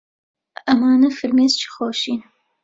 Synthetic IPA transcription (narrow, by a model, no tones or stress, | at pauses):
ɐmaːnɨfɨɾmeːzt͡ʃʰi̥xoːʃiːn